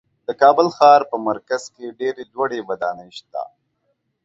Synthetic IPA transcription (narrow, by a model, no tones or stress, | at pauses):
d̪̥əkɑːbəlxɑːɾpəmaɾkaz̥keɖeɾed̪waɽebɐd̪ɑnəjʃt̪a̰